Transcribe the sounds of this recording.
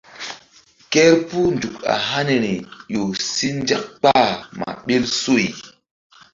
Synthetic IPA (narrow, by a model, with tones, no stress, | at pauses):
kɛ˦ɾpu˦ndu˨ka̰˨ɦa˦ne˨ɾi˨jo˨si˦nd͡ʒa˦k̚k͡pa˦ma̰˨ɓe˦lso˦˨j